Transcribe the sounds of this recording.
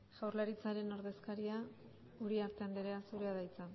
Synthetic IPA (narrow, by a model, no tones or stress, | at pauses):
ʝ̥awrlaɾit͡saɾe̞no̞ɾðe̞skaɾia | uɾiaɾt̪e̞and̪eɾeasuɾe̞aðajt͡sa